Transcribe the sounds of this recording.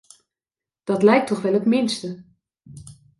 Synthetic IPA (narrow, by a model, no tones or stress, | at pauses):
d̥ɑtlɛjk̚tɔχʋɛlˠətmɪnstə